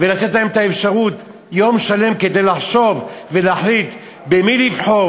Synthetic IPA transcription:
velat̪et̪laemet̪aefʃaʁut̪ | jo̞mʃale̞mke̞d̪ejlaħʃo̞vve̞laħlit̪ | bemilivħo

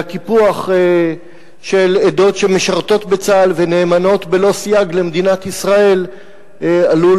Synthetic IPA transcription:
kipuaχ | ʃe̞led̪o̞tʃe̞meʃaʁt̪o̞t̪bet͡salvene̞ːmano̞t̪be̞lo̞sijaɡle̞med̪inat̪isʁae̞l | alu

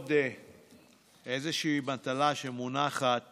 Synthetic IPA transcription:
de | ezeʃiːbant̪alaʃemunaχat̚

